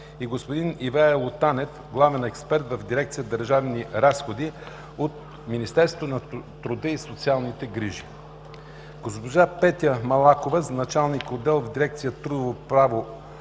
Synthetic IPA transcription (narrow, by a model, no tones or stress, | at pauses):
iɡospod̪inivaɛlˠot̪anɛf | ɡlˠavɛnɛkspɛɾt̪vɐvd̪iɾɛkt̪sijəd̪əɾʒavniɾasxod̪i | ot̪̚ | minist̪ɛɾst̪ot̪nɐt̪ɾud̪əisot̪sialˠnit̪ɛɡɾiʒi | ɡospoʒapɛt̪ʲəmɐlˠakovəznɐt͡ʃalˠnikod̪ɛlˠvd̪iɾɛk̚t̪sijət̪ɾud̪ovopɾavo